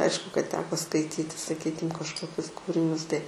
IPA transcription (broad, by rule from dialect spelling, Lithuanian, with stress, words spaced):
ˈɐɪʃkʊ kɐt ˈtʲæːkoː skɐɪˈtʲiːtʲɪ sɐˈkʲiːkʲɪm kɐʃkoːˈkʲʊs ˈkuːrʲɪnʲʊs tɐɪ